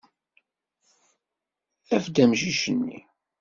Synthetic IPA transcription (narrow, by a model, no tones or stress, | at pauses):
æfd̪æmʃiʃənːḭ